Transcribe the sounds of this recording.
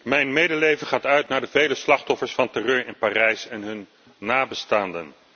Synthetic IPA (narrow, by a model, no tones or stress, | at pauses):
mɛjnmejdəlejvəχaːtœɥtnaːɹdəvejləslɑχtɔfəɹsfɑntɛrøːɹɪnpaːrɛjsɛnɦɵnː | aːbəstaːndən